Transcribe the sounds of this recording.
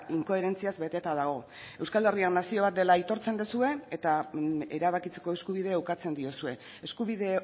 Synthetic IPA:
iŋko̞e̞ɾe̞nt͡siazbe̞t̪e̞t̪að̞aɣ̞o̞ | e̞wskalde̞rianːasio̞β̞at̪̚d̪e̞lait̪o̞ɾt͡se̞nd̪esue̞et̪ae̞̰ɾaβ̞akit͡seko̞eskuβ̞ið̞e̞ːwkat͡se̞nd̪io̞sue̞ | eskuβiðe̞

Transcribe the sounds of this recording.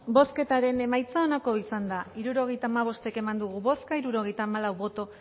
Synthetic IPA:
bo̞ske̞t̪aɾe̞ne̞majt͡saonako̞isand̪aiɾuɾo̞ɣe̞jt̪aːmaβ̞o̞st̪e̞ke̞mand̪uɣuβo̞skaiɾuɾo̞ɣ̞e̞jt̪aːmalawβo̞t̪o̞

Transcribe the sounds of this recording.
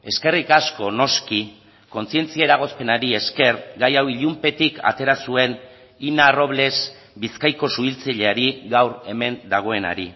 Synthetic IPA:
e̞ske̞rikasko̞no̞ski | ko̞nsie̞nt͡siaeɾaɣ̞o̞spe̞naɾie̞ske̞ɾɡajawiʎumpe̞t̪ikʰa̰t̪e̞ɾasue̞n | inaro̞βle̞s | biskajko̞suilt͡saʎe̞aɾiɣawɾe̞me̞nd̪aɣ̞o̞e̞na̰ɾi

